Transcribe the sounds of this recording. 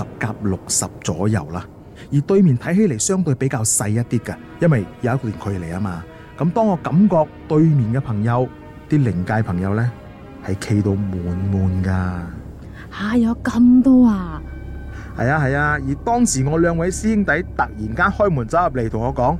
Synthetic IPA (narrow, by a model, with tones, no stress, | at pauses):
ɐ˨p̚kaː˧p̚lʊ˨k̚sɐ˨p̚t͡sɔ̰ː˨˥jɐ̰˨˩wlaː˥ | jiː˨˩t̪ɵ˧ɥmiː˨nt̪ʰɐ˨˥jɦe˨˥le˨˩jsœː˥ŋt̪ɵ˧pe˨˥jkaː˧wsɐ˧jjɐ˥t̪̚iː˥kɐ˧ | jɐ˥nwɐ˨jjɐ˨˦ɐ˥tkɔ˧liː˨˩nkʰɵ˨˧le˨˩jaː˥maː˧ | kɐ˨˥mt̪ɔː˥ŋːɔː˨˧kɐ˨˥mkɔː˧k̚t̪ɵ˧ɥmiː˨˩nkɛː˧pʰɐ˨˩ŋjɐ˨˧w | t̪iː˥lɪ˨˩ŋkaː˧jpʰɐ˨˩ŋjɐ˨˧wlɛː˥ | hɐ˨jkʰe˧jt̪o˧wmuː˨nmuː˨nkaː˧ | haː˨˧jɐ˨˧kɐ˧mt̪ɔː˥aː˧ | hɐ̰˨jaː˧ɦɐ˨jaː˧jiː˨˩t̪ɔː˥ŋsiː˨˩ŋɔː˨˧lœː˨˧ŋwɐ˨˧˥jsiː˥ɪ˥ŋt̪ɐ˨˥jt̪ɐ˨k̚jiː˨˩nkaː˥nhɔː˥jmuː˨˩nt͡sɐ˨˥wɐ˨p̚le˨˩t̪ʰʊ˨˩ŋɔː˨˧kɔː˨˥ŋ